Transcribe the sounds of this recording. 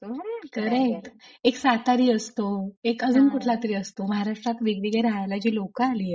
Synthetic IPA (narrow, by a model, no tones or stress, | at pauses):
okəɾek̚ʈeksat̪aɾiːəst̪oekəd͡zuːnkuʈʰlat̪əɾiːəst̪oməɦaɾaʂʈɾat̪ʋiɡɽiɡeɾaɦajlad͡ʑiːlokəaliːje